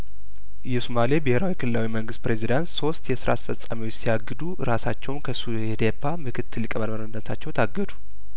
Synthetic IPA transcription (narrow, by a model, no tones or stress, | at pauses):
jɛsomalijebɪheɾawikʰɨlɨlawiməŋɡɨst̪̚pɾe̞zid̪ant̪so̞st̪jɛsɨɾa̰asfəsʼamiwot͡ʃːsiaɡːɨd̪uɾasat͡ʃːɛwnkʰəsu | ɛd̪epʰːamɨkʰɨt̪ʰːɨlːɨkʼəməd̪məɾnːət̪ʰat͡ʃːɛwt̪ʰaɡːəd̪u